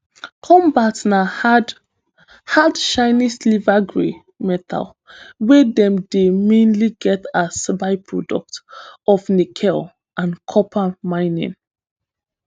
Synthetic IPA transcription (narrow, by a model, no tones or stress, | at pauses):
kʰɔ̃mbatna | hadʃãɪnislivaɡɹḛ | mɛtʰa̰l | wɛdɛ̃mdemẽnliɡɛtasbaɪpʰɹɔdɔ̰k̚tɔfnikʰɛl | ãnkʰɔpʰamãɪnḭ̃n